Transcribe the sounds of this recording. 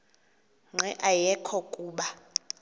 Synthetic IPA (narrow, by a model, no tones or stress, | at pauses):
ŋ͡ǁɛʔajɛkʰɔkʼuːɓa